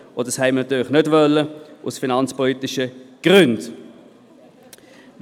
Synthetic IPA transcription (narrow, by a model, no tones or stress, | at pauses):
od̥əshɛɪmənɑt̪yːʁlɪχnødvœlːəʔʊsfinɑnt͡spɔlitɪʃəɡ̥ʁʏnd